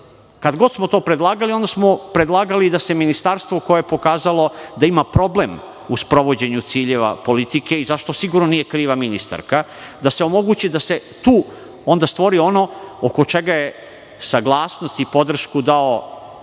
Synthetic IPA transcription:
kad̪ɡo̞d̪smo̞t̪o̞ːpɾed̪lˠaːɡalio̞nd̪asmo̞pɾed̪lˠaːɡalid̪ase̞minist̪aɾst̪ʋoko̞jeepo̞kaːzalo̞d̪aimapɾo̞ble̞m | uspɾo̞ʋo̞d͡ʑe̞ɲut̪siːʎeʋa̰po̞lit̪ike̞izaʃt̪o̞siɡuɾnonije̞kɾiːʋaminist̪a̰ɾkad̪ase̞o̞mo̞ɡut͡ɕid̪ase̞t̪uː | o̞nd̪ast̪ʋo̞ɾio̞no̞oko̞t͡ʃe̞ɡaje̞ | saɡlˠaːsnost̪ipo̞d̪r̩ʃkud̪ao

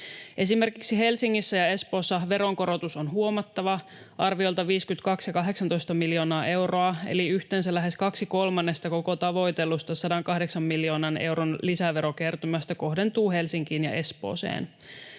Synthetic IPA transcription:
ʔe̞sime̞rkiksiɦe̞lsiŋːisːæjɑe̞spo̞ːsːɑʋe̞ɾoŋko̞ɾo̞t̪usonɦuo̞mɑt̪ːɑʋɑ | ʔɑrʋiolt̪ɑʋiːskyt̪kɑksjɑkɑɦe̞ksɑnt̪o̞jst̪ɑmiljo̞ːnɑːʔe̞wro̞ɑḛliyht̪eːnsælæɦe̞skɑksiko̞lmɑnːe̞st̪ɑko̞kot̪ɑʋo̞jt̪elust̪ɑsɑdɑŋkɑhde̞ksɑmːiljo̞ːnɑne̞̰wɾonlisæʋeɾo̞ke̞rt̪umɑst̪ɑko̞ɦde̞nt̪uːhe̞lsiŋkiːnjɑ̰ʔe̞spo̰ːsḛːn

